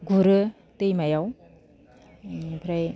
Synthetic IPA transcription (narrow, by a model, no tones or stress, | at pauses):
ɡuɾɯ | tejmajaw | ipʰɾaj